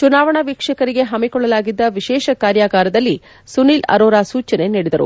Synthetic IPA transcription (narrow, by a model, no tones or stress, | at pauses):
t͡ʃunaːʋɐɳɐʋikʂɐkɐɾiɡe̞ɦɐmikɔɭːɐlaːɡid̪ːɐʋiʃɛːʃɐkaːɾjaːɡaːɾɐd̪ɐlːi | suniːlɐ̰ɾoːɾaːsuːt͡ʃɐne̞niːɽid̪ɐɾṵ